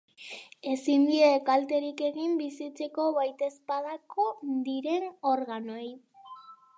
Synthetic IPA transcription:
e̞sind̪iekalt̪e̞ɾike̞ɣimbisit͡se̞ko̞βajt̪e̞spaðako̞d̪iɾe̞no̞ɾɣano̞j

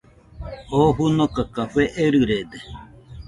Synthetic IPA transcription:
oɸunokakaɸeʔeɾɨɾed̪e

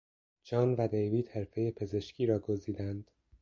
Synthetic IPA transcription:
d͡ʒɒːnvæd̪ejviːd̪̥he̞ɾfe̞jepʰe̞ze̞ʃcʰiːɾɒːɡo̞ziːd̪ænd̪̥

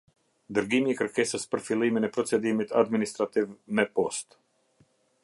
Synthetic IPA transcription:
d̪ɨɾɡimʲikɾkʲɛsaspɾfilˠiːmʲenʲɛpɾɔsed̪imit̪ad̪minist̪ɾat̪ivnɛpɔst̪

